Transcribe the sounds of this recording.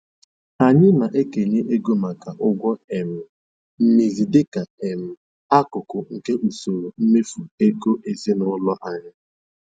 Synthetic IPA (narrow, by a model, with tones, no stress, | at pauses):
a˨ɲɪ˦na˨ʔe˦ke˨ɲe˦ʔe˦ɡo˦ma˨ka˨ʔʊ˦ɡʷɔ˦e˨m̩˨ | m̩˦mi˨zi˨dɪ˦ka˨e˨m̩˦ | a˦kʊ˨kʊ˨ŋ̩˨ke˦ʔu˨so˨ɾo˨m̩˦me˦fu˨e˦ɡo˦ʔe˨zi˦nʊ˦lɔ˦ʔa˨ɲɪ˦